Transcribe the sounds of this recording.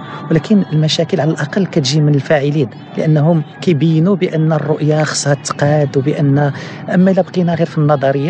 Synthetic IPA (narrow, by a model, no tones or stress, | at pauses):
wlækʰənəlmæʃækəlʕalælʔɑqɑlːkæt̪ʒimənəlfæʕilid̪ | lə̰ʔənːɦʊmkæjbəjːənubəʔənːrːʊʔjaxsˤːɑt̪ːqɑd̪wbəʔənːæʔəmːælæbqinæɣiɾfinːɑd̪ˤɑɾəjːa